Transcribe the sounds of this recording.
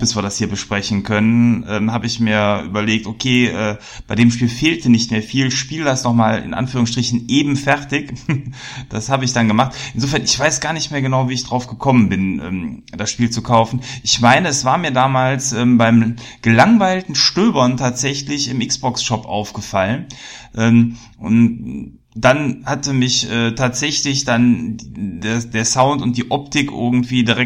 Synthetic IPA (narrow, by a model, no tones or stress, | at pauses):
b̥ɪsv̥iːɐdashiːɐbəʃpʁ̥ɛçn̩kʰœnənʔɛ̰ːmhaːbəɪçmiːɐʔy̰ːbɐleːk̚tʔokʰeːʔɛː | b̥aɪdeːmʃpiːlfeːltʰənɪçtmeːɐfiːlʃpiːldasnɔχmaːlɪ̰nʔa̰nfyːʁ̞ʊŋsʃtʁ̥ɪçn̩ʔeːbm̩fɛɐtɪk | d̥ashaːbəɪç̬d̥anɡəmaχtʔɪnzoːfɛɐnɪçv̥aɪsɡ̥aːɐnɪçtmeːɐɡənaʊviːɪçd̥ʁaʊfɡ̥əkʰɔmənbɪnʔɛ̰ːmd̥asʃpiːlt͡sukʰaʊfn̩ʔɪçmaɪnəɛsv̥aːɐmiːɐdaːmaːlsʔɛːmbaɪm | ɡ̥əlaŋvaɪltn̩ʃtøːbɐntʰaːtz̥ɛçlɪçɪmʔɪksb̥ɔksʃɔpʔa̰ʊfɡ̥əfalənʔɛːm | ʔʊ̰n | d̥anhatəmɪçʔɛːtʰaːtz̥ɛçlɪçd̥an | desd̥eːɐsaʊntʊnt̚d̥iːʔɔptɪkʔɪ̰ɐɡŋ̩tv̥iːdiʁɛk̚